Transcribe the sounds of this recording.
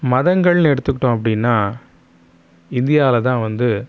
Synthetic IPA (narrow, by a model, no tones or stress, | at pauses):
mɐðɐŋɡɐɭnɛɽɯt̪ːɯkːɪʈːʊ̃ːɐp̬ːɐɽɪnːaː | ɪnd̪ɪjaːlɐt̪ãːʋɐnd̪ɯ